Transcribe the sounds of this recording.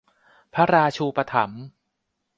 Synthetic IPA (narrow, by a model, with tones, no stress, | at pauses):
pʰa˦˥ɾaː˧t͡ɕʰuː˧pa˧t̪ʰa̰˩˦m